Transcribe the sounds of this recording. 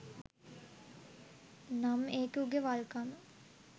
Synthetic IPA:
nameːkuɡeʋalkamə

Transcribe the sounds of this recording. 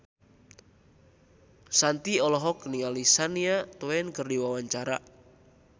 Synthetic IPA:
sant̪iɔlɔɦɔkniŋalisaniat̪uwɛnkərdiwawaɲt͡ʃaɾa̰ʔ

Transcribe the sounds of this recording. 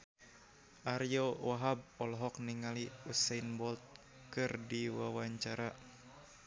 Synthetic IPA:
ʔaɾjowaɦab̚ɔlɔɦɔk̚niŋaliusainbɔlt̪̚ | kɨrdiwawaɲt͡ʃaɾa

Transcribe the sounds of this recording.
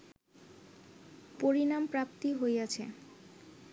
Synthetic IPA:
poɾinampɾapt̪iɦojat͡ɕʰḛ

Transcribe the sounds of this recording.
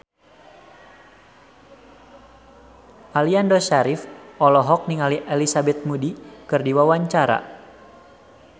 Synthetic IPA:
ʔaliandɔʃaɾifɔlɔɦɔk̚niŋaliʔɛlisabɛt̪̚mudikɨrdiwawaɲt͡ʃaɾa̰

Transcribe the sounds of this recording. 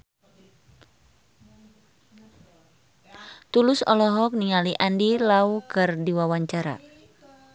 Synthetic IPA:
t̪ulusɔ̰lɔɦɔk̚niŋaliʔandilaukɨrdiwawaɲt͡ʃaɾa̰

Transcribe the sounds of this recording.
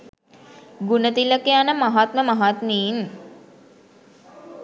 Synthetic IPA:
ɡunət̪iləkeanəmaɦat̪məmaɦat̪miːn

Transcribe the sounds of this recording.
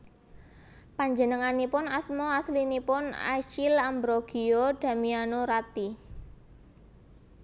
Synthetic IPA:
paɲd͡ʒə̤nəŋanipʊnasmoaslinipʊna̰t͡ʃilambɾoɡ̥i̤od̪̥a̤mianoɾat̪i

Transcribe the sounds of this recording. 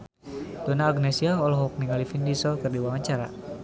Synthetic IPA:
d̥ɔnaːɡnesiaɔlɔɦɔk̚niŋalifindisɔkɨrdiwaŋaɲt͡ʃaɾa̰

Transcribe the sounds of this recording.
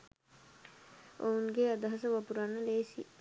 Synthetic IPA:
o̰unɡead̪ɐɦɐsəʋɐpuɾanːəleːsi

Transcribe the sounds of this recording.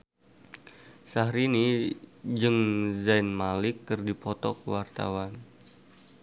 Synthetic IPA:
sahɾini | d͡ʒɨŋzajnmalɪkːɨrdipɔt̪ɔ̰kəwart̪a̰wan

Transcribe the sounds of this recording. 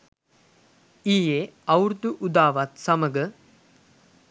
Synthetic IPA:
iːjeɐwɾd̪uʔud̪aːʋɐt̪sɐmɐɡɐ

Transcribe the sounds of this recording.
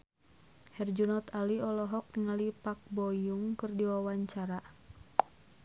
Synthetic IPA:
hɛrd͡ʒunɔt̪aliɔlɔɦɔk̚ŋalipak̚bɔjuŋkɨrdiwawaɲt͡ʃaɾa

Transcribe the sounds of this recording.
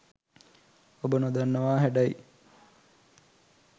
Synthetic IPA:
obənod̪anːəʋaːɦæɖai

